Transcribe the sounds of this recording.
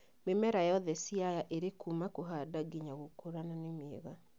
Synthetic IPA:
memɛɾajɔðɛsiajaʔeɾekumakoɦadaɡiɲaɣokoɾananemeɣa

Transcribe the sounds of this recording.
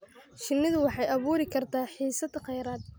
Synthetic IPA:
ʃɪnːɪðʊwɑħɑjɐβuːɾɪkʰɐrt̪ʰaːħiːsɐd̪qɑjɾaːd̪̚

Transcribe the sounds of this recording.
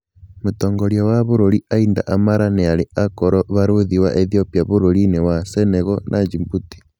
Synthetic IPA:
motoːŋɡoɾjawaβoɾoɾiainda̰ʔamaɾanealeakoɾɔβaɾoðiwaʔeθiopiaβoɾoɾinewaseneɣonʔad͡ʒimbuti̥

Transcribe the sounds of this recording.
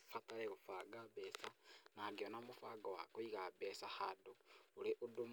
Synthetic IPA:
fataleɣufaɡabesanaɡionamufaɡawa̰koiɣabesahadouleʔudum

